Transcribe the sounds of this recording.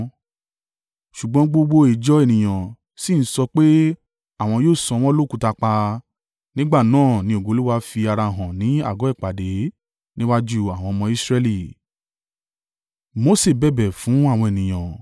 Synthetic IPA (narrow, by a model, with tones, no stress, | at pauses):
ʃu˨ɡ͡bɔ̃˨˦ɡ͡bo˦ɡ͡bo˦i˨d͡ʒɔ˦e˦˨nĩ˨j̃ã˨ | si˦˨n̩˦sɔ˧k͡pe˦ | a˦˨w̃ɔ̃˧joː˦˨sɔ̃˧w̃ɔ̃˦lo˦˨ku˧ta˧k͡pa˧ | nĩ˦ɡ͡ba˦˨nãː˦˨nĩ˨˦o˦˨ɡo˨˦lu˦wa˦fi˧a˧ɾa˧˨ɦɔ̃˨nĩ˨˦a̰˦˨ɡɔ˨˦ɛ˦˨k͡pa˨de˨˦ | nĩ˦wa˦d͡ʒu˦˧a˨w̃ɔ̃˧mɔ̃˧i˦sɾɛ˧li˦˨ | mo˦se˦˨bɛ˦˨bɛ˨fũ˨˦a˦˨w̃ɔ̃˧e˨nĩ˨j̃ã˨